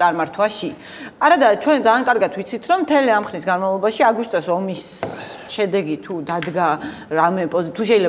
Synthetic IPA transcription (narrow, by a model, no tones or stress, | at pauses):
aɾmaɾt̪ʰwaʃi | aɾad̪at͡ʃʰwɛnd̪zaːŋkʼaɾɡat̪ʰwit̪sʰit̪ʰɾɔmːt̪ʰɛliamχɾnisɡanmavlˠɔbaʃiaɡist̪ʼɔsɔmis | ʃɛd̪ɛɡit̪ʰud̪ad̪ɡa | ɾamɛpʼɔzit̪ʰuʃ̬ɛilɛ